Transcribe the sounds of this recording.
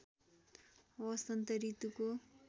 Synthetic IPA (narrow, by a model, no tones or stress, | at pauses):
wʌst̪ʌnt̪ʌɾit̪uko